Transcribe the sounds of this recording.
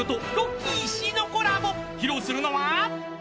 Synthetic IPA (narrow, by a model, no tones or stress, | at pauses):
ot̪ojokʲiɕinokoɾamo | çiɾosɨɾɯ̟noβa